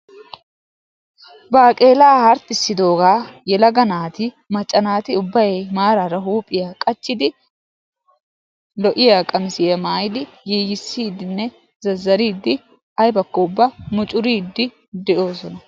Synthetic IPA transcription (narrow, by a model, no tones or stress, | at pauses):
baːkʼe̞ːlaːhɐɾt̪ːɪsːɪd̪o̞ːɡaːjɛlɐɡɐnaːt̪ɪ | mɐt͡ʃʼːɐnaːt̪ɪʊbːɐjmaːɾaɾɐɦuːpʼːɪjaːkʼɐt͡ʃːɪd̪ɪ | lɔʔɪjaːkʼɐmɪsɪjɐmaːjɪd̪ɪ | jeːjɪsːiːd̪ɪnːɛ | zɐzːɐɾiːd̪ːɪ | ɐjbɐkːɔʊbːɐmʊt͡ʃʼʊɾiːd̪ːɪ | d̪ɛʔo̞ːsɔnɐ